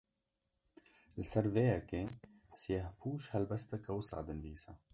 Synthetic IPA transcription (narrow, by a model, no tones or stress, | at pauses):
lsaɾðeːake | ħsjahpʰuːʃhalbast̪akawəsʕa̰d̪ənbiːsa